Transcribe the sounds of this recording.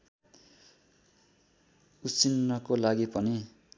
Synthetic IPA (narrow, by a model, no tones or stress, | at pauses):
ut͡sinːʌkolaɡipʌni